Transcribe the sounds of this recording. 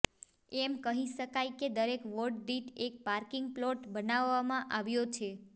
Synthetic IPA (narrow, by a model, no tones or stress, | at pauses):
ɛmkəɦiʃəkajked̪əɾekʋoʈ̚ɖiʈek̚paɾkɪŋɡ̚plɔʈbənaʋːamãʔaʋjot͡ʃʰe